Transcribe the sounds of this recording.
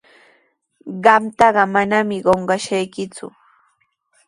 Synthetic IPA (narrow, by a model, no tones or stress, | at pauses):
ɢɑmt̪ɑɢɑmanamɪɢoɴɢɑʃajkɪt͡sʊ̰